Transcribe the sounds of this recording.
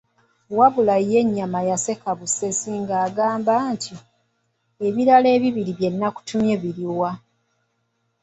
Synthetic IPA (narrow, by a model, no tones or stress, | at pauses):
waβulajije̞ɲːamajase̞kaβusesiŋɡaːɡaːmbantʰi | e̞βiɾale̞ːβiβiɾiβje̞nːaku̥tumje̞βiɾiwa